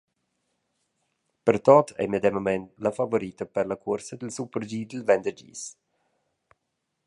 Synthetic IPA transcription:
pəɾt̪ɔt̪ʰɛ̰miəd̪ɛmamɛnt̪lafavoɾit̪əpəɾlakʰuɾsəd̪əlsupəɾd͡ʒiːd̪əlvɛnd̪əd͡ʒḭs

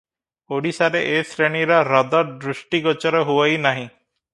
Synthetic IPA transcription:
oɽisaɾeʔesɾeɳiɾɔɾɔd̪ɔɖɾuʃʈiɡɔt͡ʃɔɾɔɦuajnaɦĩ

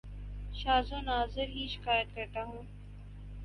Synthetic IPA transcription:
ʃaːzõːnaːzɪɾɦiːʃɪ̥kaːjət̪̚kɐɾt̪aɦũː

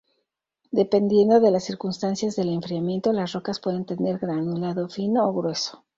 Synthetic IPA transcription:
d̪e̞pe̞nd̪je̞nd̪o̞ðe̞lasːiɾkunst̪ansjazðe̞le̞ɱfɾiamje̞nt̪o̞lasro̞kaspwe̞ðe̞nt̪e̞ne̞ɾɣɾanulaðo̞fino̞ːɣɾwe̞so

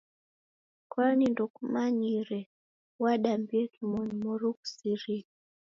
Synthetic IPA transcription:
kwanindukumaɲiɾɛ | waɗambiɛkimɔnimɔɾuksiɾi

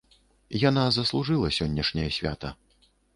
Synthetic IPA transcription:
janazɐslˠuʐɨlˠɐsʲɔnʲːɐʂnʲɐjɐsʲvʲa̰t̪ɐ̰

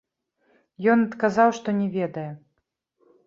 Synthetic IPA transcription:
jɔnɐt̪kazawʂt̪ɔnʲɛvʲɛd̪ɐjɛ

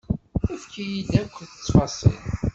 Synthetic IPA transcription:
æfkijid̪ækʷːθə̥t͡sːfɑsˤḭl

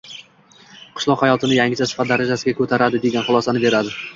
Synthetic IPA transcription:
qʰʊ̥ʃlˠɒqhajɒt̪ʰɪnɪjaŋɡʲɪt͡ʃʰasɪ̥fat̪̚d̪aɾad͡ʒasɪɡʲakʰɵt̪ʰaɾad̪ɪd̪e̞ɡʲanχʊlˠɒsanɪbe̞ɾad̪ɪ

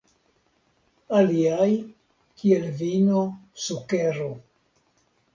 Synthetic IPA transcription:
aliaj | kielvinosukeɾo

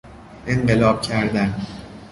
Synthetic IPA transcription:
ʔeɴɢe̞lɒːb̥̚cʰæɾd̪æn

